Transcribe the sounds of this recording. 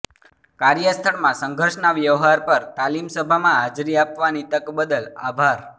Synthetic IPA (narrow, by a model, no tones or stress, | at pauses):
kaɾjəst̪ʰəɭmãsəŋɡʱəɾʃnaʋjəʋɦaɾpəɾt̪alimsəbʱamãɦad͡ʒɾiapʋanit̪əkbəd̪əla̰bʱaɾ